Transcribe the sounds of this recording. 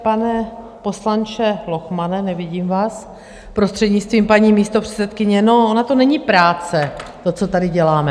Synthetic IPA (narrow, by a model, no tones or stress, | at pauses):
panɛ | po̞slant͡ʃɛlo̞xmanɛnɛvɪɟiːmvaːs | pɾost̪r̥ɛdɲɪt͡st̪viːmpaɲiːmiːst̪o̞pr̝̥ɛ̥t͡sɛt̪kɪɲɛno̞ʔonat̪onɛɲipɾaːt͡sɛt̪o̞t͡so̞t̪adɪɟɛlaːmɛ